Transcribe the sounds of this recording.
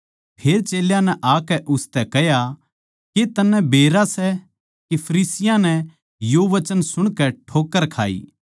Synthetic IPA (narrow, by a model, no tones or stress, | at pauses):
pʰeːɾt͡ʃeːljãnɛʔaːkɛʔʊst̪ɛkɛja | ket̪ɐnːɛ̃beːɾasɛ | kepʰɐɾiːsɪjãnɛ | joʋɐt͡ʃənsʊɽ̃kɛʈʰoːkːəɾkʰa̰ːḭː